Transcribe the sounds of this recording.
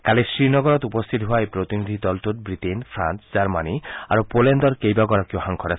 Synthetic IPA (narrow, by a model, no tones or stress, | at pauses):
kalesɹinɔɡɔɾɔt̪upɔst̪ʰit̪ɔɦoajpɾot̪inid̪ʱid̪ɔlt̪ut̪̚bɹitenpʰɾa̰nsd͡ʑaɹmania̰ɾupolendɔɹkejbaɡɔɾakioɦaŋkʰɔɾasʰ